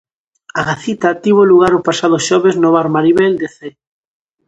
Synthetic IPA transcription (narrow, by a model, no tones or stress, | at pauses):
aɣaθit̪at̪iβ̞oluɣaɾopasaðoʃɔβeznoβaɾmaɾiβeld̪eθe